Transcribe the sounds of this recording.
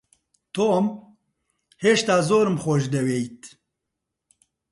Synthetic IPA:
t̪ʰoːm | heːʃt̪aːzoːɾɨmxoʃd̪ɛweːjt̪

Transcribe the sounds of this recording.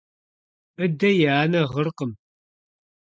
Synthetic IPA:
ɨdɐjaːnɐʁərqəm

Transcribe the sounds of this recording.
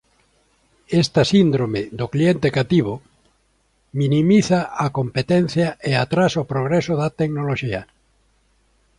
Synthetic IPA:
est̪ɐsind̪ɾomeðʊklient̪ekat̪iβ̞ʊ | minimiθaakompet̪ɛn̟θjaeat̪ɾasopɾoɣɾɛsʊðɐt̪eknoloʃiɐ

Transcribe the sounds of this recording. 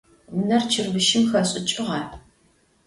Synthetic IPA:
nɐrt͡ʃʰɨrbɨʃɪmxɐɕʼɪt͡ʃʼɪʁɑ

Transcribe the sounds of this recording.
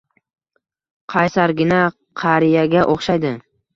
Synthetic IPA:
qʰɑjsaɾɡʲɪna | qʰɑɾijaɡʲaʔoχʃajd̪ɪ

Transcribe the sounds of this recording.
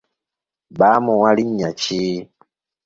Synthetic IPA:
baːmɔwaliɲːat͡ʃi

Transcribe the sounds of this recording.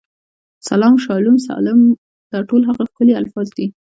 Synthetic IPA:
salɑmʃɑlumsɑ̰lɪm | d̪̥ɑʈolɦaɣaxkəlialfɑzd̪i

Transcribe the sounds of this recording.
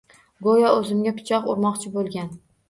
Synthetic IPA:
ɡojɒɵzɪmɡʲapʰɪ̥t͡ʃʰɒqʊɾmɒqt͡ʃʰɪbolˠɡʲan

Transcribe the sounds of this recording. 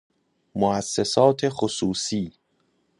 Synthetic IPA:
moæsːesɒːt̪ʰexosuːsiː

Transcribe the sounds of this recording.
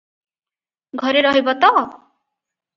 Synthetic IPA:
ɡʱʌɾeɾɔɦibɔt̪ɔ

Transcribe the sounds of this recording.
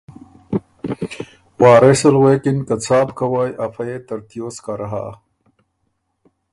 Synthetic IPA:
waːɾesɐlweːkinkɐt͡sʰaːbkʰɐwajʔɐfɐjet̪ɐɾt̪ijoːskɐɾɐɦa̰ː

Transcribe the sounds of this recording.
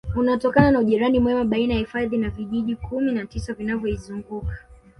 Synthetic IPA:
unatɔkananauʄiɾanimwɛmaɓainajahifaðinaviʄiʄikʰuminatisavinavjɔizuŋɡukḁ

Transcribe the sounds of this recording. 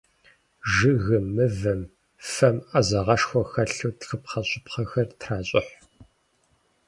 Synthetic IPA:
ʒɨɣɨmːɨvɐm | fɐmɐzɐʁɐʂxʷɔxɐɬuːtxɨpχɐɕʼɪpχɐxɐrtʰraːɕʼɪħ

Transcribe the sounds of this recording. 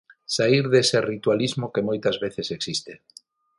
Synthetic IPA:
saiɾðeserit̪walizmokemojt̪azβeθeseksist̪e

